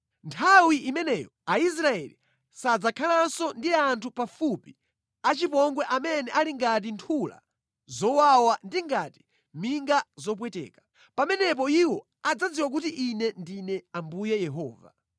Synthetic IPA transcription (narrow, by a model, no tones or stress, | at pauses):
ntʰawiʔimɛnɛjɔais̬ɾaɛli | sad͡zakʰalansɔndiantʰupafupi | at͡ʃipɔŋɡwɛʔamɛnɛʔaliŋɡat̬intʰula̰ | zɔwawandiŋɡati̥ | miŋɡazɔp̬wɛtɛ̰ːkḁ | pamɛnɛp̬ɔiwɔ | ad͡zad͡ziwak̬utiʔinɛndinɛambujɛjɛɦɔːva̰